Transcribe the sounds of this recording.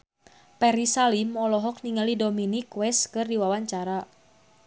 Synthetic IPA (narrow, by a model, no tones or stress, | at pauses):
pɛɾisalimɔlɔɦɔkniŋalidominikwɛskɨrdiwawaɲt͡ʃaɾa